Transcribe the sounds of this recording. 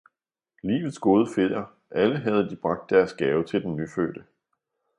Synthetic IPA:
lḭːʋð̩ˠsɡ̥o̝ːð̞ˠəfe̝ð̰ˠɐ | ʔæləɦæð̞̩ˠd̥ib̥ʁɑ̈ɡ̥̚d̥ːæɐsɡ̥ɛːʊt͡sʰe̝ld̥enːyfø̰ːd̥ə

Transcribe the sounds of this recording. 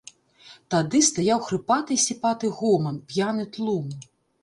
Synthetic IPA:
t̪ad̪ɨst̪ajawxɾɨpat̪ɨsʲipat̪ɨɣɔmɐnpʲjanɨt̪lˠum

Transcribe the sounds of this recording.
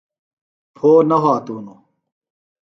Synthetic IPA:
pʰoːnɐɦaːt̪uːno

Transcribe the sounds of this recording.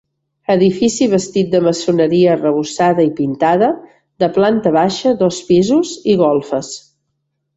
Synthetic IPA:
əðifisiβəst̪it̪̚d̪əməsunəɾiərəβusaðəipint̪aðə | ðəplant̪əβaʃəðɔspizuziɣɔlˠfəs

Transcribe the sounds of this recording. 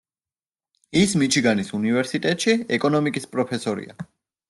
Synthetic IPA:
ismit͡ʃʰiɡanisunivɛɾsit̪ʼɛt̪ʼʃiɛkʼɔnɔmikʼispʼɾɔpʰɛsɔɾḭa̰

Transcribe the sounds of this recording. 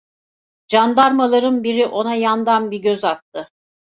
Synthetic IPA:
d͡ʒand̪aɾmalˠaɾɯnbiɾiʔo̞najand̪anbiɟøzat̪t̪ʰːɯ

